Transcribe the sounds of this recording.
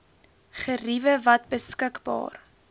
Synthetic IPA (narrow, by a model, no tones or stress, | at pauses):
χərivəvɐt̚bəskəkbɑ̰ːr